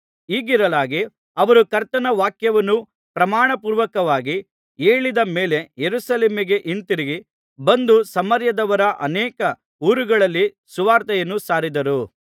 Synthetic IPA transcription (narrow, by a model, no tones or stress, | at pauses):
iːɡiɾɐlaːɡi | ɐʋɐɾukɐɾt̪ɐnɐʋaːkjɐʋɐnːu | pɾɐmaːɳɐpuːɾʋɐkɐʋaːɡi | eːɭid̪ɐmeːle̞jeɾusɐleːmiɡe̞ʔint̪iɾiɡi | bɐnd̪usɐmɐɾjɐd̪ɐʋɐɾɐʔɐnɛːkɐ | uːɾuɡɐɭɐlːi | suʋaːɾt̪ɐjɐnːusaːɾid̪ɐɾu